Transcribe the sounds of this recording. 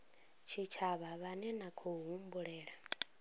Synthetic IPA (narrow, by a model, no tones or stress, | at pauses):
t͡ʃʰit͡ʃʰaβaβanɛnakʰuɦumbuɺɛːɺa